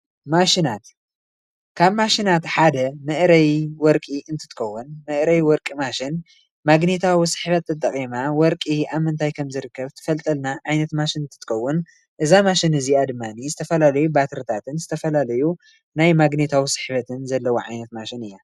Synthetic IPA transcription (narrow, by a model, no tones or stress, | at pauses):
maʃinat̪ | kʰaβmaʃinat̪ħad̪ɐmɨʔɾɐjwɔɾkʼiɨnt̪ʰɨ̥t̪ɨkʰɐwːunmɨʔɾɐjwɔɾkʼimaʃɪn | maɡnit̪ʰawisɨ̥ħbɐt̪ːɨt̪ʼːɐkʼimawɔɾkʼiaβmɨnt̪ʰajkʰɐmzɨɾɨkʰːɐβt̪ʰɨ̥fɐlt̪ʼɐlnaʕajnɐt̪maʃɪnɨnt̪ʰɨt̪ːɨkʰɐwːʊn | ʔɨzamaʃɪnɨziad̪ɨmːanizɨt̪ʰɐfɐlalɐjubat̪ʰɨɾt̪ʰat̪ʰɨnzɨt̪ʰɐfɐlalɐju | najmaɡnit̪ʰawisɨ̥ħbɐt̪ʰɨnzɐlːɐwoʕajnɐt̪maʃɪnɨjːa